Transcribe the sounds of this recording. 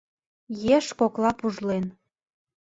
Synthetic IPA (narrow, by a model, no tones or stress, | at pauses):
jeʃkoklɑpuʒlen